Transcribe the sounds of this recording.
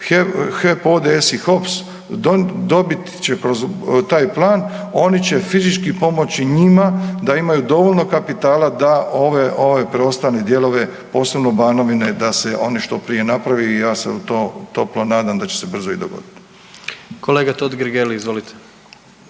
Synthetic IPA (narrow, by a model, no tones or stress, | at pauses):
exepo̞d̪eesixo̞ps | od̪o̞bit̪t͡ʃekɾozt̪aːjplˠaːno̞nit͡ɕe̞fizit͡ʃkipo̞mo̞t͡ɕiɲimad̪aimajud̪o̞ʋolʲno̞kapit̪aːlˠad̪aʔo̞ʋeʔoʋepɾeo̞st̪aːned̪je̞lˠo̞ʋe̞ | po̞ːse̞bno̞baːno̞ʋine̞d̪aseʔo̞niʃt̪o̞pɾije̞napɾaʋiːjaːsḛut̪ot̪o̞plonaːd̪amd̪at͡ɕe̞̥se̞br̩zoḭd̪oɡo̞̰d̪it̪i̥ | kʰoleːɡat̪od̪ɡɾɡeliizʋolit̪ʰe̥